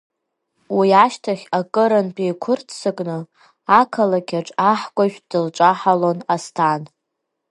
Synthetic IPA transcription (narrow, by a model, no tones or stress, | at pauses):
wiaʃtʰaχʲakʼɨɾanpʼejkʷʰʊrtʰsɨkʼnɨ | akʰalakʲʰaʈ͡ʂʼaħkʷʼaʒᶣd̥ɨlʈ͡ʂʷʼaħalonastʰan